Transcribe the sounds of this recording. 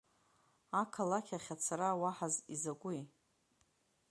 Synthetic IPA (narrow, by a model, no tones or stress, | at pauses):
akʰalakʲʰaχʲat͡sʰaɾawaħazizaɡʷʊj